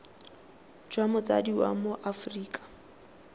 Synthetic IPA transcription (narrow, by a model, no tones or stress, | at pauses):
d͡ʒwamʊt͡sʼa̰diwa̰moʔafriːkʼḁ